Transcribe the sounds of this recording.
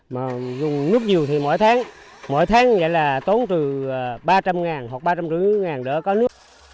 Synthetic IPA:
maː˨˩zʊ˨˩ŋ͡mnɨ˦˥ək̚ɲi˨˩əwt̪ʰi˨˩mo̰˧˥˨jt̪ʰaː˨˦ŋ | mo̰˧˥˨jt̪ʰaː˨˦ŋɣə̰˧˨jlaː˨˩t̪o˨˦nt̪ɨ˨˩˨ɓaː˧t͡ɕa˧mŋaː˨˩nhwa˨˩k̚ɓaː˧t͡ɕa˧mt͡ɕɨ˧˥ŋaː˨˩nɗə̰ː˧˥˦kɔ˨˦nɨ˦˥ək̚

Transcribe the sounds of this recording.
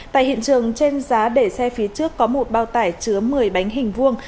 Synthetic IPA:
a̰ː˧˨jhḭ˧˨ənt͡ɕɨ˨˩əŋt͡ɕe˧nzaː˨˦ɗe˧˩sɛ˧fi˨˦ət͡ɕɨ˦˥əkːɔ˨˦mo˨˩t̚ɓaː˧˩wt̪aː˧˩jt͡ɕɨ˨˦əmɨ˨˩əjɓa˨˦jŋ̟ɦï˨˩ŋ̟vu˧əŋ

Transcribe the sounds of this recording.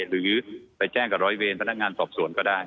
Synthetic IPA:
ɾɯː˩˦pa˧jt͡ɕɛː˥˩ŋka˨˩ɾɔː˨˧˥jweː˧npʰna˥k̚ŋaː˧nsɔː˨˩p̚su˨˩˦ənkɔː˥˩daː˥˩j

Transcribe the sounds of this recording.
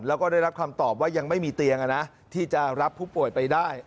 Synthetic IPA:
lɛː˦˥wkɔː˥˩da˥˩jɾa˦˥p̚kʰa˧mt̪ɔː˨˩p̚waː˥˩ja˧ŋma˥˩jmiː˧t̪i˧əŋʔa˧na˦˥ʔ | t̪ʰiː˥˩t͡ɕa˨˩ɾa˦˥pʰːuː˥˩pu˨˩əjpa˧jdaː˥˩j

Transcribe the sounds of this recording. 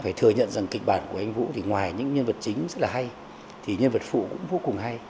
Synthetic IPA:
faː˧˩jt̪ʰɨ˨˩əɲə̰˧˨nza˨˩ŋkï˨˩k̚ɓaː˧˩nku˧˩əʔa˧jŋ̟vṵ˧˥t̪ʰi˨˩ŋwaː˨˩jɲɨ̰˧˥ŋɲə˧nvə˨˩t̚t͡ɕï˨˦ŋ̟zə˦˥t̚laː˨˩ɦa˧j | t̪ʰi˨˩ɲə˧nvə˨˩t̚fṵ˧˨kʊ̰˧˥ŋ͡mvo˨˦kʊ˨˩ŋɦa˧j

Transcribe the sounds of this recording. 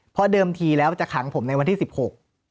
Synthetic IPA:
pʰɔ˦˥dɤː˧mt̪ʰiː˧lɛː˦˥wt͡ɕa˨˩kʰa˩˦ŋpʰo˩˦mna˧jwa˧nt̪ʰiː˥˩si˨˩p̚ho˨˩k̚

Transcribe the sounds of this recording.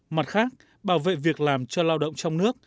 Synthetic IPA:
ma˨˩t̚xaː˦˥k̚ | ɓaː˧˩wvḛ˧˨vi˨˩ək̚laː˨˩mt͡ɕɔ˧laː˧wɗə̰˧˨ŋ͡mt͡ɕɔ˧wŋ͡mnɨ˦˥ək̚

